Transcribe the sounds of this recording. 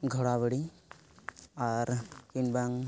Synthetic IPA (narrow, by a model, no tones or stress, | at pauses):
ɡʱɔɽabəɽi | aɾkinbaŋ